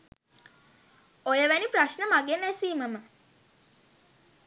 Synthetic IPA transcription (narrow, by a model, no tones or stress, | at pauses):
ojəʋænipɾaʃnəmaɡenæsiːməmə